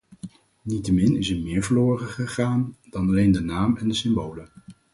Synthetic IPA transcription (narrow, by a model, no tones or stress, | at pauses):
nitəmɪnɪsəɹmɪːɹvəɹloːrəχəχaːnd̥ɑnɑlejndənaːmɛndəsɪmbowlə